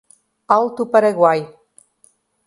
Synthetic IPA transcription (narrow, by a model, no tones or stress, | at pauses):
alt̪upaɾeɣwaj